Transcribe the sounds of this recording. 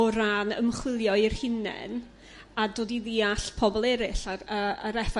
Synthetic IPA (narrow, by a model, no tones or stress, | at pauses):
ɔɾanə̰mχwɪlˠjɔɪrhɪnɛ̰n | adoːdiðiaɬpʰɔbɔlˠɛɾɪɬaɾəaɾɛfa